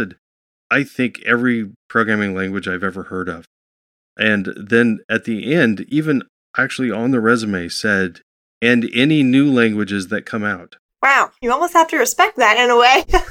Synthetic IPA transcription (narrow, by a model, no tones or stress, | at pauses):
ɨd | aɪθɪ̃ŋkʰɛvɹipʰɹ̥oʊɡɹæ̃mɪ̃ŋlæ̃ŋɡwɨd͡ʒaɪvɛvə˞hɜ˞ɾʌv̥ | ʔɨ̃nðɨ̃nɨt̪̚ðiʔɛ̃ndivɨ̃n | ʔæk̚t͡ʃʉl̩ˠiə̃nðəɹɛzɨmeɪsɛɾ | ɨ̃nɛninʉlæ̃ŋɡwɨd͡ʒɨzðɨt̚kʰʌ̃maʊt̚ | waʊjɨɔlˠmoʊst̚hæftɨɹɨspɛk̚ðæɾɨ̃nəweɪ